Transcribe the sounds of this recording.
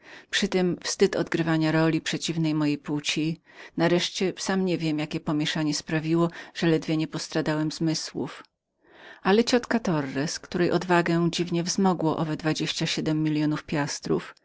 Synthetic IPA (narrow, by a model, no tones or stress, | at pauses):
pʂɘt̪ɛmfst̪ɘt̪ɔ̰d̪ɡɾɘvaɲaɾɔlʲipʂɛt͡ɕivnɛjmɔjejput͡ɕi | naɾɛʂt͡ɕɛsamɲɛvʲjɛmjakʲɛpɔmʲjɛʂaɲɛspɾavʲiwɔʐ̥ɛlɛd̪vʲjɛɲɛpɔst̪ɾad̪awɛmzmɘswṵf | ʔalɛt͡ɕɔt̪kat̪ɔrːɛskt̪uɾɛjʔɔd̪vaɡɛ̃d͡ʑivɲɛvzmɔɡwɔʔɔvɛd̪vad͡ʑeɕt͡ɕaɕɛd̪ɛmːʲilʲjɔnufpʲjast̪ɾṵf